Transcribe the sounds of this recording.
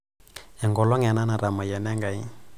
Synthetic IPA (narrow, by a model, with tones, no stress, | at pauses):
ɛ˨ŋɡɔ˨lɔ˦ŋɛ˨na˦na˨ɾa˨ma˨jɛ˨nɛ˦ŋɡa˨i˦